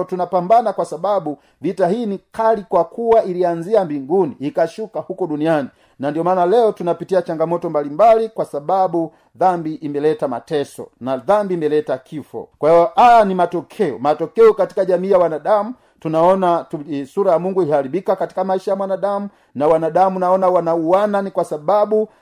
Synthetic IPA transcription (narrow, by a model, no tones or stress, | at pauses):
tunapambanakwasabaɓu | vitahiːnikalikwakuwailianziambiŋɡuniːkaʃukahukɔɗuniani | nandiɔmaːnalɛɔtunapitiat͡ʃaŋɡamɔtɔmbalimbalikwasaɓaɓu | ðambiʔimbɛlɛtama̰tɛsɔ̰naðambiːmbɛlɛtakʰifɔ̰kwahiɔʔajanimatɔkʰɛɔmatɔkɛɔkati̥kaʄamiːjawanaɗamu | tunaɔnasuɾajamuŋɡuihaɾibikakati̥kamaiʃajamwanaɗamu | nawanaɗamunaɔnawanauwananikwasaɓaɓu